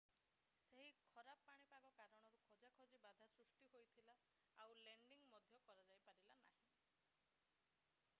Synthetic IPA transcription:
seɦikʰɔɾappaɽ̃ipaɡɔkaɾɔɽ̃ɔɾukʰɔd͡ʒakʰɔd͡ʒibad̪ʱasɾusʈiɦojt̪ʰila | awleɳɖiŋmɔd̪ʱjɔkɔɾad͡ʒajpaɾilana̰ɦĩ

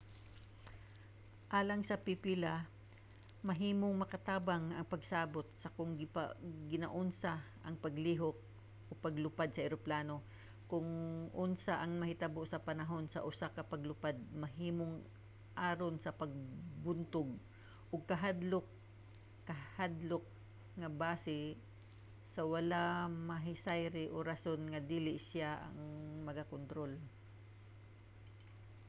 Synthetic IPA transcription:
ʔaːlɐŋsɐpipila | mɐɦiːmoŋmɐkɐt̪aːbaŋɐŋpɐɡsaːbot̪̚sɐkʊŋɡɪpa̰ɡɪna̰ʔʊnsaʔɐŋpɐɡliːɦok̚ | ʔopɐɡlʊpad̪̚sɐʔɛɾoplaːno̞ | kʊŋʔʊnsaʔɐŋmɐhɪt̪aboʔsɐpɐnɐɦo̞nsɐ̰ʔʊsakɐpɐɡlʊpad̪̚mɐɦiːmʊŋ | ʔaːɾonsɐpɐɡ̚bʊnt̪ʊɡ̚ | ʔʊɡ̚kɐɦad̪lok̚ː | ɐhad̪lok̚ | ŋɐbaːsɪ | sɐwalamɐɦɪsajɾɪʔoɾasonŋɐd̪iːlɪʔsɪjaʔɐ̰ŋmɐɡakont̪ɾol

